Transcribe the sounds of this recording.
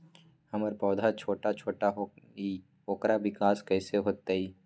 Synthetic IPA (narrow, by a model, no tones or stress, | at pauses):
hɐməɾpɔːd̪ʱat͡ʃʰoːʈat͡ʃʰoːʈaɦoi | oːkɾaʋɪkaːskɛːseɦoːt̪aɦiː